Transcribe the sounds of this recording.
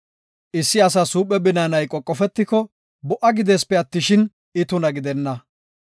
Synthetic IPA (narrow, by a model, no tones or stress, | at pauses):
ʔɪsːɪɐs̬ɐsuːpʼːɛbɪnaːnɐjkʼɔkʼːɔfɛt̪ːɪkɔ | bɔʔɐɡɪd̪eːspːɛɐt̪ːɪʃɪn | ɪt̪ʊnɐɡɪd̪ɛnːɐ